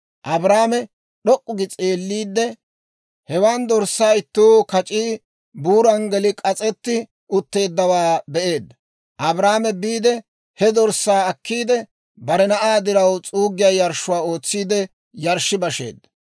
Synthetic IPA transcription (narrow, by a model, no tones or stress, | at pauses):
ʔɐbɾaːmɛ | ɗɔkʼːʊɡɪt͡sʼeːlːiːd̪ːɛ | hɛwand̪ɔɾsːaːjɪt̪ːuːkɐt͡ʃʼiː | buːɾɐŋɡɛlɪkʼɐt͡sʼɛt̪ːɪ | ʊt̪ːe̞ːd̪ːɐwaːbɛʔe̞ːd̪ːɐ | ʔɐbɾaːmɛbiːd̪ɛ | hɛd̪ɔɾsaːɐkːiːd̪ɛ | bɐɾɛnɐʔaːd̪ɪɾɐwt͡sʼuːɡɪjaːjɐɾʃʊwaːo̞ːt͡sːiːd̪ɛ | jɐɾʃɪbɐʃe̞̰ːd̪ːɐ̥